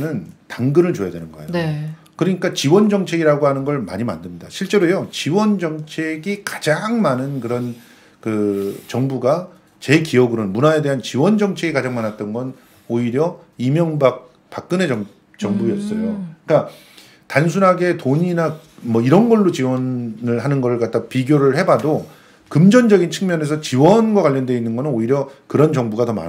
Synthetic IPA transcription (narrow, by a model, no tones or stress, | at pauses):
nɯntaŋɡɯɾɯɭt͡ɕojadwenɯnɡʌejokɯɾʌɲik͈at͡ɕiwʌnd͡ʑʌŋt͡ɕʰe̞ɡiɾaɡoɦanɯnɡʌɭma̰ɲima̰ndɯmɲidaɕʰiɭt͡ɕ͈e̞ɾojot͡ɕiwʌnd͡ʑʌŋt͡ɕʰe̞ɡikḁd͡ʑaŋmanɯnkɯɾʌn | kɯt͡ɕʌŋbuɡa | t͡ɕe̞kiʌɡɯɾonmunae̞de̞ɦant͡ɕiwʌnd͡ʑʌŋt͡ɕʰe̞ɡikad͡ʑaŋmanat̚t͈ʌnɡʌn | oiɾjʌimjʌŋbak̚ | pak̚k͈ɯne̞ʌ | t͡ɕʌŋbuiʌs͈ʌjok͈a | tansʰunɦaɡe̞toɲinamʌiɾʌnɡʌɭːot͡ɕiwʌnɯɭɦanɯnɡʌɾɯɭkat̚t͈apiɡjoɾɯɭhe̞bado | kɯmd͡ʑʌnd͡ʑʌɡint͡ɕʰɯŋmjʌne̞sʰʌt͡ɕiwʌnɡwakwaʎːʌndwe̞inːɯnɡʌnɯnoiɾjʌkɯɾʌnt͡ɕʌŋbuɡatʌma̰